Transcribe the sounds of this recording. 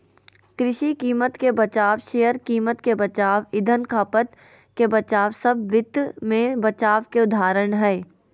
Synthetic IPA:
kɾɪʃikiːmət̪kebɐt͡ʃaːʋʃeːjəɾkiːmət̪kebət͡ʃaːʋɪd̪ʱənkʰaːpət̪ | kebɐt͡ʃaːʋsəbʋɪd̪mẽbɐt͡ʃaːʋkeʊd̪ʱaːɾəɳɦɛː

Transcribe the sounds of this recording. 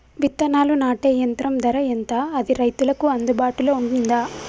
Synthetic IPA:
ʋit̪ːɐnaːlunaːʈeːjɐnt̪ɾɐmd̪ɐɾɐjent̪aːɐd̪iɾɐjt̪ulɐkuɐnd̪ubaːʈuloːuɳʈund̪aː

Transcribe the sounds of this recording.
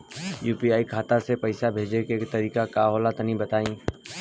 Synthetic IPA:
juːpiaːikʰaːt̪asepɐɪsabʱeːd͡ʒekekt̪ɐɾiːkakaːɦoːlat̪nĩbɐt̪aːĩː

